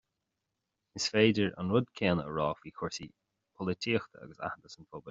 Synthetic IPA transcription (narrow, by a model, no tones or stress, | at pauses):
ɪsfeːdəɹə̰nɹʊd̪kʰeːnəə̰ɹɔːfwiːkʰʊɹsi | pʰɔlɪtʰiːxt̪ʰəa̰ɡəsa̰həd̪əsənpʰɔbə